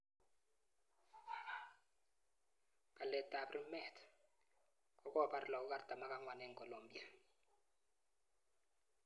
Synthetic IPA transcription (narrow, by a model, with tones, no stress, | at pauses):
kʼa˨lɛ˨tʼa˨pri˦mɛ˦˨tʰḁ | k̬ʼɔ˦k̬ʼɔ˦˨pa˨ɾi˨lɔ˨k̬u˦k̬ʼa˦rd̥ʱa˨ma˨k̬ʼa˦ŋwa˨nɛː˦ŋkʼo˨lombi˨a